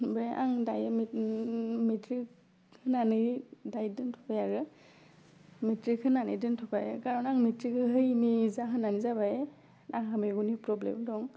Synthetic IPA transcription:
bɾeʔa̰ŋdajmi | metɾik | hɯnanɯjdajdɯntʰɔpʰajaɾɯ | metɾikhɯnanɯjdɯntʰɔpajkaɾɔnaŋmitɾikɯɦɯjnizaɦɯnanizabaje | naŋɦameɡunipɾɔblḛmdɔŋ

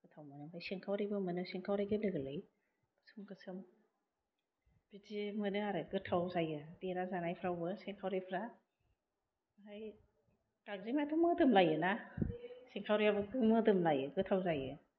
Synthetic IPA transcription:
ɡ̥ɯtʰawmanɯbajsiŋkʰawɾibɯmɯnɯseŋkʰawɾajɡelɯɡlɯj | kɯ̥sɯmɡɯsɯm | b̥idimɯnɯaɾɯɡɯtʰawzajɯdiɾazanajpʰɾawbɯseŋkʰawɾipʰɾa | ɦaj | taŋzimajtʰumɯdɯmlajɯna | siŋkʰawɾijabɯɡɯmɯdɯmlajɯɡɯtʰawzajɯ

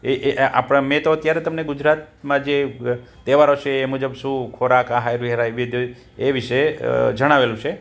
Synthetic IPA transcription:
eʔa̰pɽ̃amẽt̪oət̪jaɾet̪əmneɡʊd͡ʒɾat̪̚ | mãd͡ʒe | t̪eʋaɾot͡ʃʰeːmud͡ʒəbʃũkʰoɾakaɦajɾiɦeɾaiʋid̪o | eʋiʃed͡ʒəɽ̃aʋelũt͡ʃʰe

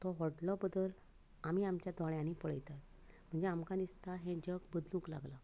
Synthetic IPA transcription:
t̪ɔɦɔʈlɔbəd̪əl | amiamt͡ɕjat̪ɔɭjãnipəɭəjt̪at̪ | m̤əɳd͡zeamkãd̪ist̪aɦẽd͡ʑək̚bəd̪lũːkla̰ɡla

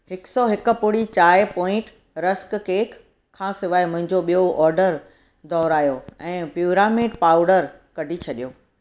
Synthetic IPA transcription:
hɪksɔːɦɪkʊ̆pʊɽit͡ɕaːɪpɔ̃ːɪ̃ʈ | ɾɐskkeːkʰ | kʰːãːsɪʋaːemʊ̃ɦɪ̃ɲd͡ʑoɓijoʔɔːɾɖəɾ | d̪ɔːɾaːjoɛ̃ːpjuːɾaːmɪɖpaːʊɖəɾ | kɐɖʱit͡ɕʰɐɗijoː

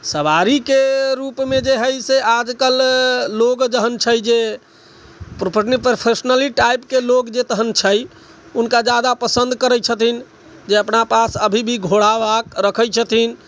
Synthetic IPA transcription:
səbaɾikeɾupmed͡ʒeɦəjsead͡ʒkəlːoɡd͡ʒəɦənt͡ʃʰəjd͡ʒe | pɾopʰəɾnipəpʰesnəliʈajpkelokd͡ʒet̪əɦənt͡ʃʰəj | unkad͡ʒad̪apəsənd̪kəɾəjt͡ʃʰət̪in | d͡ʒeəpnapasəbʱibʱiɡʱoɽabakɾəkʰəjt͡ʃʰət̪in

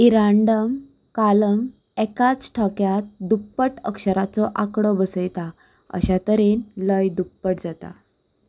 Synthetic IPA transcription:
iɾaɳɖəm | kaləm | ɛkat͡sʈʰɔkjat̪̚d̪upːəʈəkɕəɾat͡sɔʔakɽɔbəsəjt̪a | ə̰ɕat̪əɾenləjd̪upːəʈd͡zat̪a̰

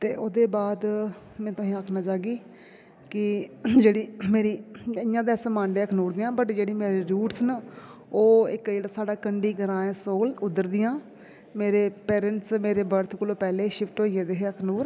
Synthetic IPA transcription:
t̪eːʔoːd̪eːbaːd̪ | mɛ̃ːt̪ʊsĩːaːkʰnaːt͡ʃaːɡiː | kɪd͡ʒeːɽiːmeːɾiːɪjãːd̪eːsəmãːɳɖeːəkʰnuːɾd̪ɪːãːbəʈd͡ʒeːɽiːmeːɾiːɾuːʈsn | oːɪkd͡ʒeːɽaːsaːɖaːkəɳɖiːɡəɾãːɛ̃ːsoːlʊd̪əɾd̪ɪjãː | meːɾeːpeːɾəɳʈsmeːɾeːbəɾt̪ʰkʊlõːpɛːleːʃɪpʰʈoːiːeːd̪eːɦeːəkʰnuːɾ

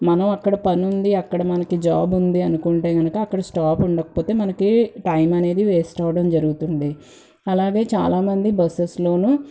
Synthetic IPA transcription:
mɐnɐmɐkːɐɽɐpɐnund̪iɐkːɐɽɐmɐnɐkid͡ʒaːbund̪iɐnukuɳʈe̞ːɡɐnukɐːkːɐɽɐsʈaːpuɳɖɐkɐ̥poːt̪e̞ːmɐnɐkiʈɐjmɐne̞ːd̪iʋeːsʈɐːʋɐɽɐmd͡ʒɐɾuɡut̪uɳɖi | ɐlaːɡe̞ːt͡ʃaːlaːmɐnd̪ibɐseslo̞ːnu

